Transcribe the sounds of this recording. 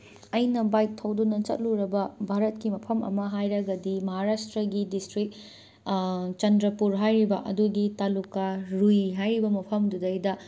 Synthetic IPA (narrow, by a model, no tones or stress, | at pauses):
ɐjnɐbajk̚tʰːɐwdunɐt͡ʃɐ̰t̚luɾɐbɐbʱaɾɐt̚kimɐpʰɐmɐ̰mɐɦajɾɐɡɐdimɐɦaɾastɾɐɡidistɾik̚ | t͡ʃɐndɾɐpuɾɦajɾibɐʔɐduɡitalukːaɾujɦajɾibɐmɐpʰɐmdudɐjdɐ